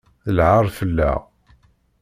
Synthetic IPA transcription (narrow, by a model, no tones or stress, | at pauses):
θəlʕaɾˤfəlːa̰